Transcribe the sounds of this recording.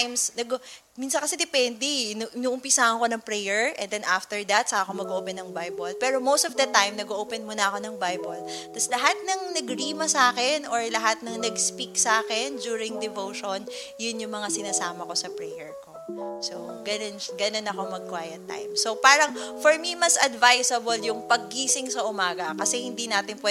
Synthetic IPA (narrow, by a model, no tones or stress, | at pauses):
jmsnɐɡ | minsɐnkɐsɛd̪ɛpɛnd̪ɛnʔɪnuʔʊmpɪsaːhɐnko̞nɐŋpɹɛjɛɹʔɛ̰̃nd̪ɛnʔaft̪ɛɹd̪ɐt̪̚sɐaːʔkomɐɡoʔopɛnːɐŋbajbolpɛːɾomowst̪ɔvd̪ɐt̪ajmnɐɡoʔoːpɛnmʊnɐʔɐko̞nɐŋbajbolt̪ɐslɐɦat̪̚nɐŋnɐɡɹiːmɐsaːkɛnʔoɹlɐɦat̪̚nɐŋnɐɡspiksaːkɛnd͡ʒuːɾɪŋd̪ɛvowʃonjʊnjʊŋmɐŋasɪnaːsaːmɐko̞sɐpɹɛjɛɹko̞soɡɐnonɡɐno̞nɐko̞mɐɡ̚kwajɐt̪ːa̰jmsopaːɾɐŋfɔɹmimɐsɐd̪vajsɐboljʊŋpɐɡ̚ːiːsɪŋsɐʔʊmaːɡɐkɐsɛhɪnd̪inaːt̪ɪnpwɛ